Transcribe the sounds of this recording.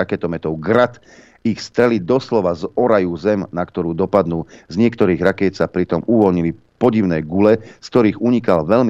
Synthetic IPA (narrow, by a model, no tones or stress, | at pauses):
akɛt̪ɔmɛt̪ɔʊɡɾat̪ | ixst̪ɾɛlid̪ɔslɔʋazɔɾajuzɛmnakt̪ɔɾuːd̪ɔpad̪nuːzɲɪɛkt̪ɔɾiːɣɾakɛːt̪sapɾit̪ɔmuʋɔlɲili | pɔɟiʊnɛːɡulɛsk̚t̪ɔɾiːɣuɲikalʋɛlmi